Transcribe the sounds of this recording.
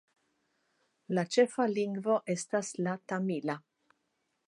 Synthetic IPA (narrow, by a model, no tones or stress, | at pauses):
lat͡ʃe̞faliŋɡvo̞ʔe̞staslatamila